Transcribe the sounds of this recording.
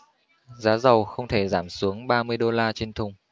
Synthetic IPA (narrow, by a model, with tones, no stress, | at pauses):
zaː˨˦zə˨˩wxə˧wŋ͡mt̪ʰe˧˩zaː˧˩msu˨˦əŋɓaː˧mɨ˧əjɗo˧laː˧t͡ɕe˧nt̪ʰʊ˧˩ŋ͡m